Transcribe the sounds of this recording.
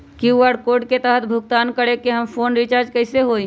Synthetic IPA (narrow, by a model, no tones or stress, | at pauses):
kjuʋaːɖkoːɾɖket̪əɦət̪̚bʱʊɡt̪aːnkəɽekeɦɐmfʰoːnɾɪt͡ʃaːɾd͡ʒkəɪseɦoːĩ